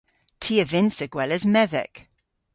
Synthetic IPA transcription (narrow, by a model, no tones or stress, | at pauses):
tʰiːəvɪ̃nsəɡwɛləzmɛðɛ̰k